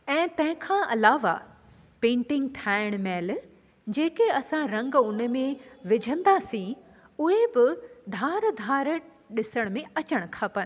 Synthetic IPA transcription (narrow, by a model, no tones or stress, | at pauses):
ɛ̃ːt̪ɐ̃ɦɪ̃kʰãːʔɐlaːʋa̰ | pẽːɳʈɪ̃ŋɡʈʰaːɪɽ̃meːl | d͡ʑeːkeɐsãɾɐ̃ŋɡʊnəmẽʋɪd͡ʑʱə̃nd̪aːsĩ | ʊɦebɪd̪ʱaːɾd̪ʱaːɾ | ɗɪsəɽ̃mẽɐt͡ɕəɽ̃̆kʰapən̆